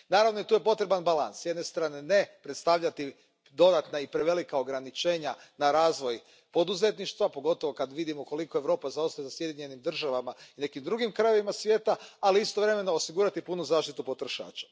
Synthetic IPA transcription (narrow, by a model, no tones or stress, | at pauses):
naːɾavʋno̞it̪uːje̞po̞t̪ɾe̞banbala̰nssjed̪ne̞st̪ɾaːne̞ne̞pɾet̪st̪aʋʎat̪i | d̪o̞d̪at̪naipɾe̞ʋe̞likao̞ɡɾanit͡ʃe̞ːɲanaɾaːzʋo̞j | po̞d̪uze̞t̪niʃt̪ʋapo̞ɡo̞t̪o̞ʋo̞kad̪ʋid̪imoko̞liko̞e̞ʋɾo̞ːpazaost̪ajezasje̞d̪jiɲe̞nimd̪r̩ʒaʋamaine̞kimd̪ɾuɡimkɾajeʋimasʋjeːt̪aaliist̪o̞ʋɾe̞me̞no̞osiɡuːɾat̪ipunuzaːʃt̪it̪upo̞t̪ɾo̞ʃa̰ːt͡ʃḁ